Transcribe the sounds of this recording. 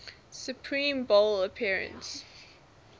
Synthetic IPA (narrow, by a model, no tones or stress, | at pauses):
sjupʰɹĩːmboləpʰiɹə̰̃nts